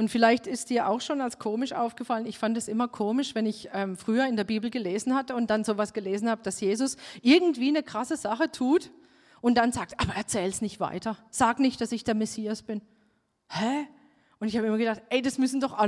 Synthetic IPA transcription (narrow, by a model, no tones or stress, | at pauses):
ʔʊntfɪlaɪçtɪstd̥iːɐʔa̰ʊxʃoːnalskʰoːmɪʃʔa̰ʊfɡ̥əfalənɪçfantɛsʔɪmɐkʰoːmɪʃvɛnɪçʔɛːmfʁ̥yːɐɪndeːɐbiːbl̩ɡəleːzn̩hatəʊnt̚d̥anzoːvasɡ̥əleːzn̩haːbəd̥asjeːzʊsʔɪɐɡŋ̩tv̥iːnəkʁ̥asəzaχətʰuːt | ʔʊnt̚d̥anzaːk̚tʔaːbɐʔɛɐt͡sɛːlsnɪçtv̥a̰ɪtɐz̥aːknɪçt̚d̥asɪçd̥eːɐmɛsiːasb̥ɪn | hɛ | ʔʊntɪçhaːbəɪmɐɡədaχtɛɪd̥asmʏsn̩dɔχʔa